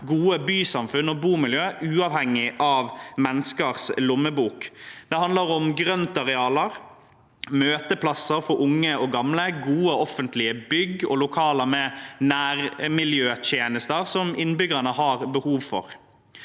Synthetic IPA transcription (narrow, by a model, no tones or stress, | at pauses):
ɡuːəbyːsɑmfʉnːɔbuːmɪljøːʔʉːɑːʋhɛŋːɪʔɑːʋmɛnːəskəʁslʊmːəbuːkd̪̥ɛhɑnd̪ləɾʊmɡɾœnt̪ɑɾɛɑːləɾ | møːt̪əpʰlɑsːəɾfɔɾʔʊŋːəɔɡɑmləɡuːəɔfənt̪lɪəbʏɡɔ̰lʊkʰɑːləmɛnæːɾmɪljøːt̪ʰjeːnəst̪əʁsɔmɪnːbʏɡəɳəhɑːɾbəhuːʋfɔ̰ɾ